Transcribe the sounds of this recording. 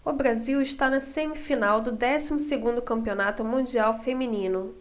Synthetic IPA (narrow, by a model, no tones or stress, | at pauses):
ʊbɾaziwɪʃt̪anɐsẽmɪfinawd̪ʊd̪ɛsimʊseɡũnd̪ʊkɐ̃mpionat̪ʊmũd͡ʒiawfeminĩnʊ